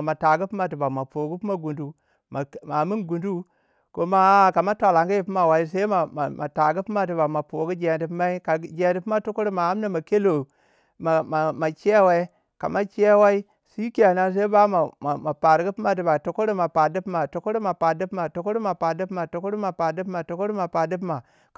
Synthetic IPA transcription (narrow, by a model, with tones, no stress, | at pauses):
ma˨ta˨ɡu˦pi˦ma˨ti˨ba˨ma˨po˨ɡu˦pma˦ɡu˨ndu˦ | ma˨ma˨mi˦nɡu˨ndu˦ | ko˦ma˦ka˨ma˦tʷa˨la˨ŋɡi˦ji˨pi˦ma˨wa˦i˦sa˦i˦ma˨ma˨ma̰˨ta˨ɡi˦pi˦ma˦t̬i˨ba˨ma˨po˨ɡu˦d͡ʒe˨di˨pma˦i˦ka˨˦d͡ʒe˨di˨pi˦ma˦to˦ko˦ɾi˦ma˨a˦mna˦ma˨ke˦lo˨ | ma˨ma˨ma˨t͡ʃi˦a˦wa˦i˦ | ka̰˨ma˦t͡ʃi˦a˦wa˦i˦ | si˦ka˨na˦s̬a˦i˦ba˦ma˨ma˨ma˨pa˨ɾɡi˦pi˦ma˨t̬i˨ba˨to˨˦ko˦ɾi˦ma˨pa˨di˦pma˨to˨˦kɾma˨pa˨di˦pma˨to˨ko˦ɾi˦ma˨pa˨di˦pma˨to˨ko˦ɾma˨pa˨di˦pma˨to˦ko˦ɾi˦ma˨pa˨di˦pma˨